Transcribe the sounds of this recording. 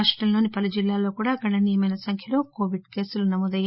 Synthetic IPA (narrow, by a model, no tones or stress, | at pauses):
ʂʈɾɐmloːnipɐlud͡ʒilːaːloːkuːɽaːɡɐɽɐnijɐmɐjnɐsɐŋkʰjɐlo̞ːko̞ːʋiɖke̞ːsulunɐmoːd̪ɐjːa